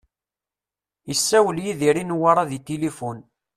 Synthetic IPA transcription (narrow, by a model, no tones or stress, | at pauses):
jəsːæwəljiðiɾinwaɾˤɑðit̪ilifun